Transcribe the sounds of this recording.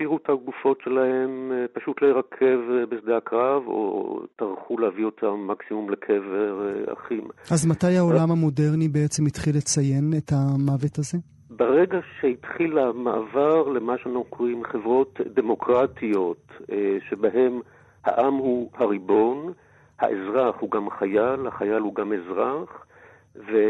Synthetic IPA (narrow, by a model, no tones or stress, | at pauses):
piʁutʰaɡufo̞tʃe̞lahe̞mpaʃut̪leheʁakʰe̞vbesd̪eakʁavo̰taʁχulehavio̞tʰamːaksimumlekʰeveʁa̰χimʔazmatajhao̞lamhamo̞deʁnibeet͡se̞mitχilet͡sajenetamavetaze̞ | beʁeɡaʃehitχilamaʔːvaʁlemaʃeanaχnukʰoʁimχevʁo̞tdemo̞kʁatʰio̞t̪ʃebaɦe̞m | ha̰ʔamhuhaʁibo̞n | ha̰ʔezʁaχhuɡamχajalhaχajalhuɡamezʁaχ | ve